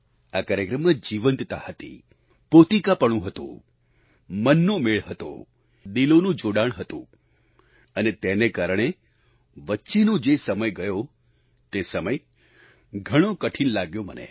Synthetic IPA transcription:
akaɾjəkɾəmːad͡ʒiʋənt̪t̪ahət̪ḭ | pot̪ikapəɳ̃ũɦət̪ṵ̃ | mənːõmeɭɦət̪o̰ | d̪ilonũd͡ʒoɽaɳ̃ɦət̪ṵ̃ | ənet̪enekaɾəɽ̃e | ʋətːʃinõd͡ʒesəməjɡəjo | t̪esəməj | ɡʱəɽ̃õkəʈʰinlaɡjomə̰nḛ

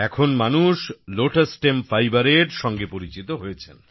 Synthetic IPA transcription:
ɛkʰonmanuʃloʈesʈemfajbaɾeɾʃɔŋɡepoɾit͡ɕit̪oɦojet͡ɕʰen

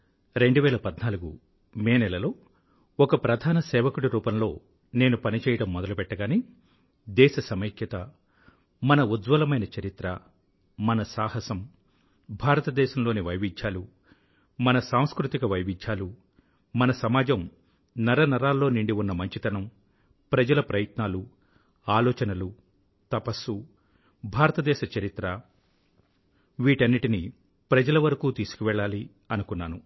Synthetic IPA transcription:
ɾe̞ɳɖuʋɛːlɐpɐd̪naːluɡṵ | meːnɛlɐlo̞ː | ɔkɐpɾɐd̪ʱaːnɐsɛːʋɐkuɽiɾuːpɐmlo̞ː | ne̞ːnupɐnit͡ʃɛːjɐɽɐmːɔd̪ɐlupɛʈːɐɡaːni | d̪ɛːʃɐsɐmɐkjɐt̪ɐ | mɐnɐud̪ʋɐlɐmɐjnɐt͡ʃɐɾit̪ɾɐ | mɐnɐsaːhɐsɐm | bʱaːɾɐt̪ɐd̪ɛːʃɐmlo̞ːniʋɐjʋit͡ʃːaːlu | mɐnɐsaːm̃skɾut̪ikɐʋɐjʋid͡ʒjaːlu | mɐnɐsɐmaːd͡ʒɐm | nɐɾɐnɐɾaːlːo̞ːniɳɖiunːɐmɐɲt͡ʃit̪ɐnɐm | pɾɐd͡ʒɐlɐpɾɐjɐt̪naːlu | aːlɔːt͡ʃɐnɐlu | t̪ɐpɐsu | bʱaːɾɐt̪ɐd̪ɛːʃɐt͡ʃɐɾit̪ɾɐ | ʋiːʈɐnːiʈini | pɾɐd͡ʒɐlɐʋɐɾɐkuːt̪iːsu̥kuʋɛːɭːaːli | ɐnukunːaːnu

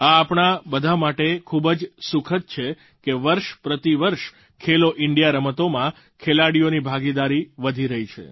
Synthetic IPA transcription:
aːpɳ̃abəd̪ʱamaʈekʰubd͡ʒsukʰət̪̚t͡ʃʰe | keʋəɾʃpɾət̪iʋəɾʃ | kʰeloʔɪɳɖijaɾəmət̪omã | kʰelaɽijonibʱaɡid̪aɾiʋəd̪ʱiɾəɦit͡ʃʰḛ

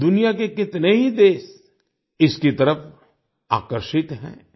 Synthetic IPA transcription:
d̪ʊnijakekɪt̪neɦid̪eːs | ɪskit̪ɐɾəf | a̰ːkəɾʃɪt̪ɦɛ̰̃ː

